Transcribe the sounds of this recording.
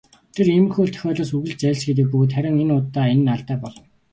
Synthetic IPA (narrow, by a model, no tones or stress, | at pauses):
t̪ʰeremɘ̆rxuːɮt̪ʰœ̥xʲɔːɮoːsɵɣɘ̆ɮt͡ɕt͡sæɮsɡet̪̬ɘ̆k̚pɵɣ̆t̪χæɾʲɪ̆ŋenʊːt̪ːaːenːaɮt̪æːpɔɮɞ̆n